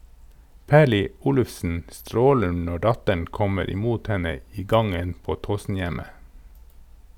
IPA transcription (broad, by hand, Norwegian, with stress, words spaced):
ˈpæːɭɪ ˈuːlʉfsn̩ ˈstɾoːlən ˈnɔ ˈɖɑtəɳ ˈkɔməɾ ɪˈmuːt ˈhɛnə ˈiː ˈɡɑŋən ˈpoː ˈtoːsn̩ˌjæmə